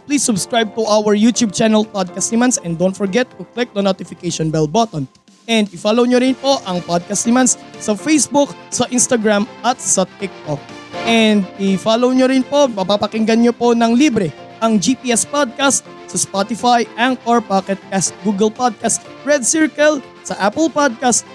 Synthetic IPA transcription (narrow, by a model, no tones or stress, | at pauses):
plisːʊbskɹajb̚t̪ʊʔawɛɹjut̪jub̚t͡ʃɛnɛlpad̪̚kɐst̪nɪmɐnsɛ̃nd̪ownt̪fɔɹɡɛt̪ːʊklɪk̚d̪ɐnot̪ɪfɪkeʃɔnbɛl̚bɔt̪ɔn | ʔɛ̃nd̪ɪfalowɲoɾɪnpo̞ʔɐŋpad̪̚kɐst̪nɪmɐnssɐfejsbʊksɐʔɪ̃nst̪ɐɡɹamʔɐt̪̚sɐt̪ɪk̚t̪ok̚ | ʔɛnd̪̚ɪfalowɲoɾɪnpo̞mɐpapɐkɪŋɡɐnɲopo̞nɐŋlibɾɛ | ʔɐŋd͡ʒipiːʔɛspad̪̚kast̪̚ | sɐspat̪ɪfajʔaŋkɐɹpakɛt̪̚kast̪̚ɡuɡɛlpad̪̚kɐst̪ | ɹɛd̪̚sɪɹkɐl | sɐʔapɛlpad̪̚kast̪̚